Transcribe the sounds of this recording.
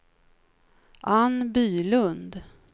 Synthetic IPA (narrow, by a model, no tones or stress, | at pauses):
ʔanbyːlɵnd̪